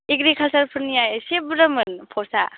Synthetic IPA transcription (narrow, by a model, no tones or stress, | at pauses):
iɡɾikʰalsaɾpʰɯɾnijajsebɾɐmɯnpʰɔsa